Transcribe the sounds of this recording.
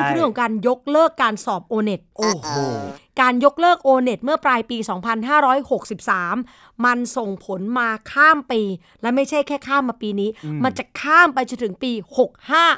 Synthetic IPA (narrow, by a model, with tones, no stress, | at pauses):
ŋkʰɾkʰɔ˨˩˦ŋkaː˧njo˦˥k̚lɤː˥˩kːaː˧nsɔː˨˩p̚ʔoː˧ne˨˩t̪̚ʔoː˨˧˩ | kaː˧njo˦˥k̚lɤː˥˩k̚ʔoː˧ne˨˩t̪̚mɯ˥˩ɐpɾaː˧jpiː˧sɔː˩˦ŋpʰa˧nɦaː˥˩ɾɔː˦˥jho˨˩k̚si˨˩p̚saː˩˦mː | a˧nso˨˩ŋpʰo˩˦nmaː˧kʰaː˥˩mpiː˧ | lɛ˦˥ma˥˩jt͡ɕʰa˥˩jkʰɛː˥˩kʰaː˥˩mːaː˧piː˧niː˦˥ma˧nt͡ɕa˨˩kʰaː˥˩mpa˧jt͡ɕo˧nt̪ʰɯ˩˦ŋpiː˧ho˨˩k̚haː˥˩